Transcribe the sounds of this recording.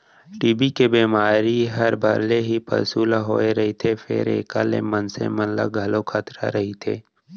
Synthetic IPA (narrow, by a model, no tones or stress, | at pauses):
ʈiːbikebiːmaːɾiɦɐɾbʱaɾleɦipʰɐ̰ɾsuːlaɦoːeɾɐɦit̪ʰefʰɪ̰ɾḛːka̰lḛmɐnsḛmɐnla̰ɡʱɐlokʰat̪ɾa̰ɾɐɦit̪ʰeː